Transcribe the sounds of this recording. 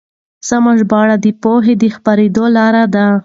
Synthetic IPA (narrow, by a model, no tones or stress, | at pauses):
samaʒbɑɽad̪əpoɦed̪əxpaɾed̪olɑɾad̪a